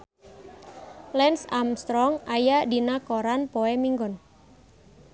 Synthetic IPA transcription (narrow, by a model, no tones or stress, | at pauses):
lɛnsamst̪ɾɔŋajadinakɔɾanpɔɛmiŋɡɔn